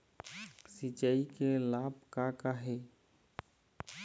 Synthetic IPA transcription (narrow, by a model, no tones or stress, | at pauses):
sit͡ʃaikelaːbkakaɦe